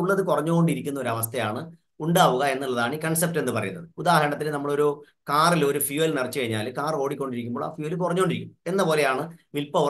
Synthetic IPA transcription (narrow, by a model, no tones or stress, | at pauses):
uɭːɐðɨkurɐɲːuɣo̞ɳɖiɾikʲːunːɐo̞ɾɐʋɐst̪ʰɐjaːɳɨ | uɳɖaːʋuɣɐe̞nːilːɐðaːɳikɐɳsep̚te̞nːɨpɐrɐ̰jṵnːɐðɨud̪aːhɐɾɐɳɐt̪ːilenɐmːɐɭo̞ɾu | kaːrilo̞ɾufjuɐlnirt͡ɕːɨkɐɻiɲːa̰ːlkaːro̞ːɽikʲːo̞ɳɖiɾikʲːumbo̞ːɭa̰ːfjuɐlɨkurɐɲːoɖiɾikʲːumːe̞nːɐpoːle̞jaːɳɨʋilpɐʋ